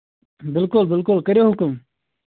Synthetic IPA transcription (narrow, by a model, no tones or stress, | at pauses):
bɪlkʊlbɪlkʊlkəɾjoːɦʊkʊm